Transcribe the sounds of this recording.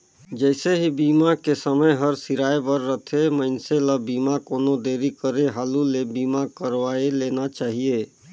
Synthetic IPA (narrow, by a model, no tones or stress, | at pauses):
d͡ʒəɪseɦibiːmakesəməjɦəɾsiɾaːjbəɾːət̪ʰeməɪnseləbiːmakoːnod̪eːɾikəɾeɦaːlulebimakəɾʋaelenat͡ʃaːɦije